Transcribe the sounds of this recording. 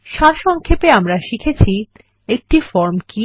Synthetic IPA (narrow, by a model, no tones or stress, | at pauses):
ʃaɾʃɔŋkʰepeamɾaʃikʰet͡ɕʰi | ek̚ʈifɔɾmki